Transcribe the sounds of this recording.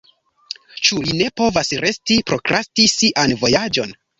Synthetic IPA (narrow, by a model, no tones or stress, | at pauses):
t͡ʃuline̞po̞vasɾʔe̞stipɾo̞kɾʔastisiʔanvo̞jad͡ʒo̞n